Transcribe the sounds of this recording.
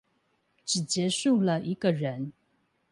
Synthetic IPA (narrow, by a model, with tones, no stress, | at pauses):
ʈ͡ʂɻ̩˨˩t͡ɕjɛ˧˥ʂu˥˩lə˨ʔi˧˥ɡə˨ɻə˧˦n